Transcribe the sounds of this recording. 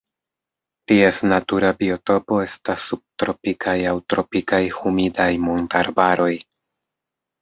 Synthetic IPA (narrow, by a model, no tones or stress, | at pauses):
tie̞snatuɾabio̞to̞po̞e̞stasːub̚tɾo̞pikʰajawtɾo̞pikajhumidajmontaɾbaɾo̞j